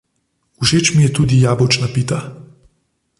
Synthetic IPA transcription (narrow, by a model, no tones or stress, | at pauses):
uʃeːt͡ʃmijɛt̪uːd̪ijaːbɔt͡ʃnapit̪a